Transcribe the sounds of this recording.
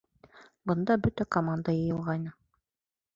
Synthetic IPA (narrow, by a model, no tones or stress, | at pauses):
bɤ̆nd̪ɑbɵt̪ækomand̪ajɤ̆jɤ̆lˠʁɑjnɤ